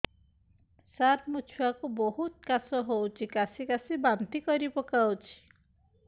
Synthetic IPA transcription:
saɾmut͡ʃʰuakuboɦut̪kasɔɦowt͡ʃʰikasikasibant̪ikɔɾibɔkawt͡ʃʰi̥

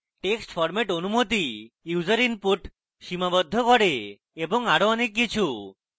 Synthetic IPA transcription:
ʈeksʈpʰɔɾmeʈonumot̪i | uzəɾinpuʈ | ʃimabɔd̪ʱːɔkɔɽe | ebɔŋaɽoɔnekːit͡ʃʰu

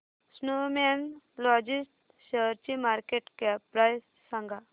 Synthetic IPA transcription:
snoːmen | lɔːd͡ʒisʈ | ʃəɾt͡ʃimaːɾkeʈkepɾajsːãŋɡa

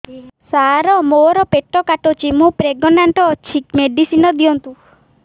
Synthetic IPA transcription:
saɾɔmoɾɔpeʈːɔkaʈot͡ʃimũpɾeɡɔnaɳʈɔt͡ʃʰikmeɖisinɔd̪iɔnt̪u

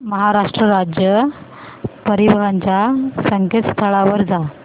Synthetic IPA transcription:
məɦaɾaʂʈɾəɾad͡ʑjə | pəɾiʋɦaɲt͡ɕjasəŋket̪st̪ʰəɭaʋəɾd͡za

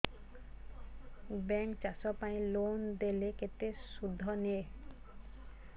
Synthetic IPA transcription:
bɛŋkt͡ʃasɔpaĩlond̪eleket̪esud̪ʱːɔne

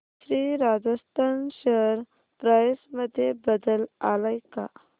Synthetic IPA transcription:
ɕɾiːɾad͡zəst̪ʰanɕəɾ | pɾajsməd̪ʱːjebəd̪əla̰lajka̰

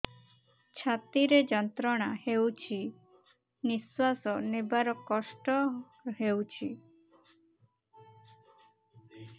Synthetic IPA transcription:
t͡ʃʰat̪iɾed͡ʒɔnt̪ɾɔɽ̃ahewt͡ʃʰi | niswasɔnebaɾɔkɔsʈɔ | ɦewt͡ʃʰi

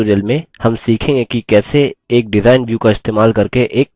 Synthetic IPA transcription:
ɾijəlmẽhɐmsiːkʰẽːŋɡekikɛːseːk̚ɖɪzaːɪnʋjuːkaɪst̪eːmaːlkɐɾkeʔeːk̚

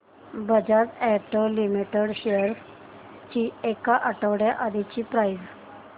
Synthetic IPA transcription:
bəd͡ʑatɛʈolimiʈeɽɕejəɾs | t͡ɕiːekaʔəʈəʋɽjaʔad̪it͡ɕiːpɾajz

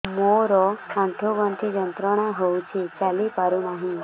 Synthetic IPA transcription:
moɾɔkãɳʈʰuʋənt̪ʰid͡ʒənt̪ɾəɽ̃ãɦoũt͡ʃʰet͡ʃalipaɾũnəɦĩ

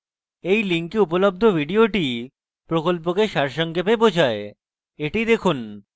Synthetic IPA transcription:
ejliŋkiupolob̚d̪ʱobʱiɖioʈi | pɾokolp̬okeʃaɾʃɔŋkepebod͡ʑʱae | eʈid̪ekʰun

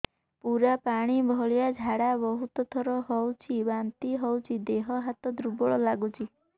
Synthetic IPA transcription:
puɾapaɽ̃ibʱɔɭjad͡ʒʱaɽabɔɦut̪ɔt̪ʰɔɾɔɦɔwt͡ʃʰibant̪iɦɔwt͡ʃʰid̪eɦɔɦat̪ɔd̪ɾubɔɭɔlaɡut͡ʃʰi

